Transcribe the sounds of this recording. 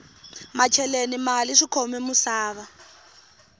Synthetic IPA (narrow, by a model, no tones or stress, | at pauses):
mat͡ʃʰɛlenimaliʂikʰɔmɛmusaːβa